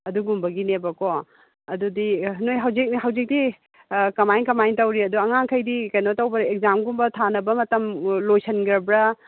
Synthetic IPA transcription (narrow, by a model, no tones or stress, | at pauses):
ɐduɡumbɐɡinebɐko | ɐdudinojɦawzik̚niɦawzik̚di | kɐmajŋkɐmajŋtɐwɾiɐduɐŋaŋkʰɐjdikɐjnotɐwbɐɾek̚zamɡumbɐtʰanɐbɐmɐtɐmlojsɐnɡɐɾbɾɐ